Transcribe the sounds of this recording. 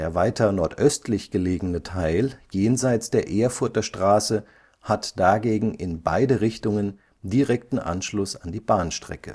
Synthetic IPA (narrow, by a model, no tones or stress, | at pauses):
deːɐvaɪtɐnɔɐtʔœstlɪçɡ̥əleːɡnətʰaɪljeːnzaɪt͡sd̥eːɐʔeːɐfʊɐtɐʃtʁ̥aːsə | hatd̥aɡeːɡŋ̩ɪnba̰ɪdəʁɪçtʊŋən | diʁɛk̚tn̩ʔa̰nʃlʊsandiːbaːnʃtʁ̥ɛ̰kə̰